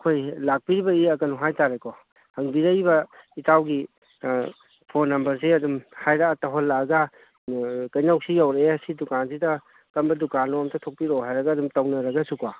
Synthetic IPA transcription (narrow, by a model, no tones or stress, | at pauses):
kʰojlak̚piɾibɐiɐkɐnuɦajtaɾekɔ | hɐŋbiɾɐjbɐitawɡi | pʰonːɐmbɐɾsiɐdumhajɾaːtaɦolːaɡɐ | kɐjnawsijawɾeeɐsidukansidɐ | kɐmbɐdukanɔmtʰɐtʰok̚piɾɔwɦajɾɐɡɐːdumtɐwnɐɾɐɡɐsuka